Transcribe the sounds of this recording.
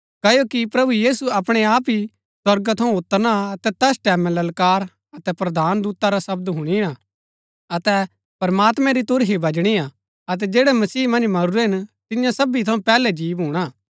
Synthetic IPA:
kɐjokipɾɐbujiːsuɐpɽ̃eaːpi | swɐɾɡat̪ʰɐ̃ũʊt̪ːəɾnaɐt̪ɛt̪ɛːsʈɛːmɛ̃lɐlkaːɾ | ɐt̪ɛpɾɐd̪ʱaːnd̪uːt̪aɾasɐb̚d̪ɦʊɽ̃iɽ̃a | ɐt̪ɛ | pɐɾmaːt̪mɛ̃ɾit̪ʊɾɦibʱɐd͡ʒɽ̃ia | ɐt̪̬ɛd͡ʒeːɽɛmɐsiːmɐ̃nd͡ʒmɐɾuɾɛɦɪnt̪ɪjãsɐbit̪ʰɐ̃ũpɛːlɛd͡ʒiːbɦuːɽ̃a

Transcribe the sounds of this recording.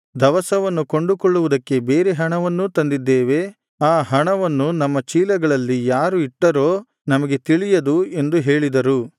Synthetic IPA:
d̪ɐʋɐsɐʋɐnːukoɳɖukoɭːuʋud̪ɐkːe̞be̞ːɾeɦɐɳɐʋɐnːut̪ɐnd̪id̪ːeːʋe̞ | aːɦɐɳɐʋɐnːunɐmːɐt͡ʃiːlɐɡɐɭɐlːijaːɾuiʈːɐɾo̞ː | nɐmɐɡe̞t̪iɭijɐd̪ue̞nd̪uɦe̞ːɭid̪ɐɾu

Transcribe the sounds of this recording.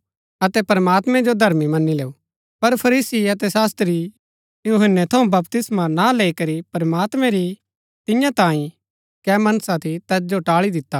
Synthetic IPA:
ɐt̪ɛpɾɐmaːt̪mɛ̃d͡ʒod̪ʱɐɾmimɐnːileːu | pɐɾpʰɐɾiːsiɐt̪̬ɛsaːst̪ɾi | juɦənːɛt̪ʰɐũbɐpt̪ɪsmãnaleːikɐɾipɾɐmaːt̪mɛ̃ɾi | t̪ɪjãt̪ãːĩ | kɛːmɐnəsat̪ʰit̪ɛːsd͡ʒoʈaːɭid̪ɪt̪ːa

